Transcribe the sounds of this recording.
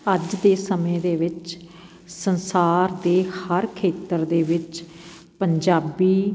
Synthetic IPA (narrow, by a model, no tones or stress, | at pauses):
əd͡ʒd̪eːsəmẽːd̪eːʋɪt͡ʃ | sənsaːɾd̪eːhəɾkʰeːt̪əɾd̪eːʋɪt͡ʃ | pəɲd͡ʒaːbiː